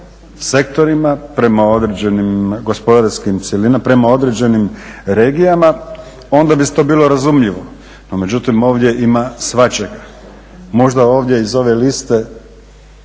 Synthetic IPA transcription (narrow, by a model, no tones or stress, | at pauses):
se̞kt̪o̞ɾimapɾe̞mao̞d̪ɾed͡ʑe̞nimɡo̞spo̞d̪aɾskimt̪sjelinapɾe̞mao̞d̪ɾe̞d͡ʑe̞nimɾe̞ːɡijama | o̞nd̪abiset̪o̞biːlo̞ɾazumʎiʋo̞ | nome̞d͡ʑut̪imo̞ːʋd̪je̞ʔimasʋat͡ʃe̞ɡa | mo̞ʒd̪ao̞ːʋd̪ʲje̞izo̞ʋe̞list̪e̞